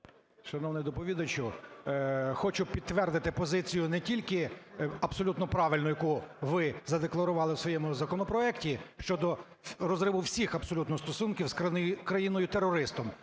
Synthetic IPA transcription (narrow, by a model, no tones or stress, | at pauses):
ʃɐnɔwnɪjd̪ɔpɔʋʲid̪ɐt͡ʃʊ | xɔt͡ʃʊpʲid̪̚t̪ːʋɛrd̪ɪt̪ɪpɔzɪt͡sʲijʊnɛtʲilʲkɪɐbsɔlʲut̪nɔpɾɑʋɪlʲnʊjɐkuʋɪzɐd̪eklˠɐɾʊʋɑlˠɪwsʋɔjɛmʊzɐkɔnɔpɾɔɛktʲiʃt͡ʃɔd̪ɔ | ɾɔzɾɪʋʊwsʲixɐbsɔlʲut̪nɔst̪ɔsunkʲiwskkɾɐjinɔjʊt̪erːɔɾɪst̪ɔm